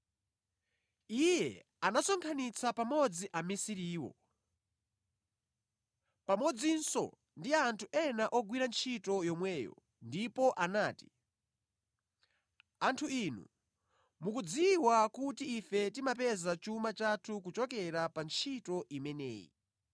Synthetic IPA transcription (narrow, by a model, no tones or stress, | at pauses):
ijɛ | anasɔŋkʰanit͡sapamɔd͡ziʔamisiɾiːwɔ̰ | pamɔd͡zinsɔ̰ | ndiantʰuʔɛnaʔɔɡwiɾant͡ʃʰitɔjɔmwɛːjɔ̰ | ndipɔʔanaːti̥ | antʰuiːnṵ | mukud͡ziwakutiːfɛtimapɛzat͡ʃumat͡ʃatʰuk̬ut͡ʃɔkɛɾapant͡ʃʰitɔʔimɛnɛ̰ːjḭ